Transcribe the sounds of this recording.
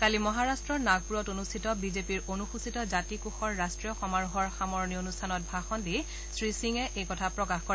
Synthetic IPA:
kalimɔɦaɹastɹɔɹnaɡ̚puɹɔtonustʰitɔbizepiɹonuxusitɔzatikuxɔɹːastɹijɔxɔmaɹuɦɔɹxamɔɹnionustʰanɔt̚bʱaxɔndi | sɹisiŋɛʔejkɔtʰapɹɔkaxkɔ

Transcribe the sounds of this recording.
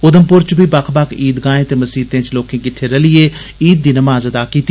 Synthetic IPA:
ʊd̪əmpʊɾt͡ʃbʱiːbakʰbakʰiːd̪ɡãːẽːt̪eːməsiːt̪ẽːt͡ʃloːkẽːkɪʈʰːeːɾəlieː | iːd̪̚ːiːnəmaːzəd̪aːkiːt̪i

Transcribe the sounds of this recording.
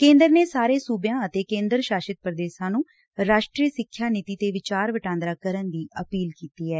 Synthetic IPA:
kẽːnd̪əɾneːsaːɾeːsuːbjãːət̪eːkẽːnd̪əɾʃaːʃɪt̪̚pɾəd̪eːʃãːnũː | ɾaːʃʈɾiːsɪkʰːjaːniːt̪iːt̪eːʋɪt͡ʃaːɾʋəʈãːnd̪ɾaːkəɾənd̪iːʔəpiːlkiːt̪iːɛː

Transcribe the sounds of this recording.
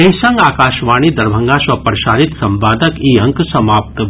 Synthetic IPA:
eɦsɐ̃ŋɡaːkaːʃʋaːɽ̃id̪ɐɾbʱɐ̃ŋɡaswɐpɾɐʃaːɾit̪sɐ̃mpaːd̪əkiːɦɐ̃ŋksɐmaːp̚t̪

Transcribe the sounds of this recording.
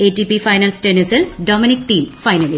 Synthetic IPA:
eːtːipifɐjnɐlsʈenisilɖoːminik̚ʈiːmfɐjnɐli

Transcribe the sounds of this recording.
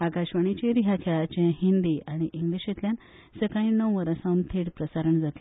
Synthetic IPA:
akaɕʋəɳ̃it͡ɕeɾiɦakʰeɭat͡ɕẽɦind̪iaɽ̃iʔiŋɡliɕet̪ljan | səkãĩnːəwʋəɾəsãũnt̪ʰeɽpɾəsaɾəɳd͡zat̪li

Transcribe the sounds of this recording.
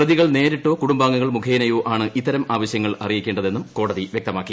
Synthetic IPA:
prɐðiɣɐɭne̞ːɾiʈːo̞ːkuɽumbaːŋːuɣɐɭmukʰeːnɐjoːʔaːɳɨʔit̪ːɐɾɐmaːʋɐɕjɐŋːɐɭɐrijikʲːeːɳɖɐðe̞nːumko̞ːɽɐðiʋjek̚t̪ɐmaːkːi

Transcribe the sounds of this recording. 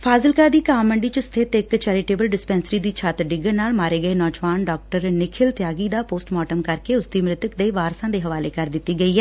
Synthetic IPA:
fʰaːzəlkaːd̪iːkaːmːəɳɖiːt͡ʃəst̪ʰet̪ɪkt͡ʃɛːɾɪʈeːbəlɖɪspɛ̃ːnsəɾiːd̪iːt͡ʃʰaːt̪ɖɪɡənaːlmaːɾeːɡəeːnɔːd͡ʒʋaːnɖɔːk̚ʈəɾnɪkʰɪlt̪jaːɡiːd̪aːpoːsʈmɔːʈəmkəɾkeʊsd̪iːmɾɪt̪ʊkd̪eiʋaːɾsãːd̪eːɦəʋaːleːkəɾd̪ɪt̪ːiːɡəiːɦɛː

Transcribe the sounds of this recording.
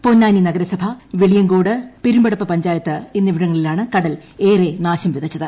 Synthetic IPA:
ponːaːninɐɡɐɾɐsɐbʱɐʋiɭijɐŋɡo̞ːɽɨpiɾumbɐɽɐpːɨpɐɲd͡ʑaːjɐt̪ːɨinːiʋiɽɐŋːɐɭilaːɳɨkɐɽɐleːrenaːɕɐmʋiðɐt͡ɕːɐðɨ

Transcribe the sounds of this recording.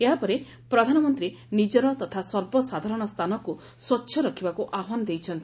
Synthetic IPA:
eɦapɔɾe | pɾɔd̪ʱanɔmɔnt̪ɾi | nid͡ʒɔɾɔt̪ɔt̪ʰasɔɾbɔsad̪ʱaɾɔɽ̃ɔst̪ʰanɔku | swɔtːʃʰjɔɾɔkʰibakuʔaɦɔnɔd̪ejt͡ʃʰɔnt̪i

